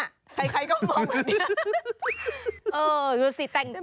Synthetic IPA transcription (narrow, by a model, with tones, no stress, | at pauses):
kʰa˧jkʰa˧jkɔː˥˩mɔ˧ŋ˧ni˦˧˥ | ʔɤː˧juː˧siː˨˩˦t̪ɛ˨˩ŋ